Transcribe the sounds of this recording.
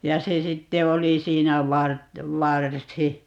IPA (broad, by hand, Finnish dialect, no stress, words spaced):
jɑ se sitːe oli siːnæ ʋɑrt ʋɑrsi